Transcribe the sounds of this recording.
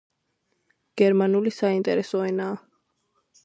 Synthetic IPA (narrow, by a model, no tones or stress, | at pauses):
ɡ̥ɛɾmanulisaint̪ʼɛɾɛsɔɛnaː